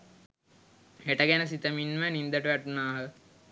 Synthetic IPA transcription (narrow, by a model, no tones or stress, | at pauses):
heʈəɡænəs̬it̪əminmənind̪əʈəʋæʈunaːɦə